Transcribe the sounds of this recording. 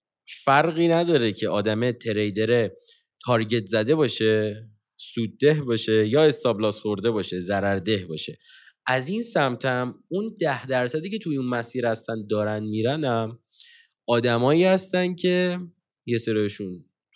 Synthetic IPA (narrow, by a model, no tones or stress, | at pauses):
fæɾɣiːnæd̪ɒːɾecʰe̞ʔɒːd̪æmet̪ʰe̞ɾejd̪eɾe | t̪ʰɒɾɟe̞t̪ʰzæd̪e̞βɒːʃe | suːd̪̚ːe̞ɦbɒːʃe̞jɒːe̞st̪ɒblɒːsχoɾd̪e̞bɒːʃe̞zæɾæɾd̪e̞hbɒːʃe̞ | ʔæzinsæmt̪ʰæmund̪æhd̪æɾsæd̪iːcʰe̞t̪ʰuinmæsiːɾhæst̪ænd̪̚ːɒːɾænd̪miːɾænæm | ɒːd̪æmɒːiːhæst̪ænd̪cʰe̞ | je̞seɾiʃun